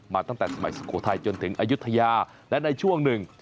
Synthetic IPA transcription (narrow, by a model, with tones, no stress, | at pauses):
maː˨˩t̪a˧ŋt̪aː˧˩s̚ma̰˧˨˩skṵ˧˩ət̪ʰa˧jt͡ɕɔ˧nt̪ḭ˨˧˩əŋʔaː˧˥jzu˦˥t̪ʰa˧jzaː˧˩ | la̰˧˥nɗə˧jt͡ɕu˧˦ʔə˧ŋnɗɨ˨˩ŋ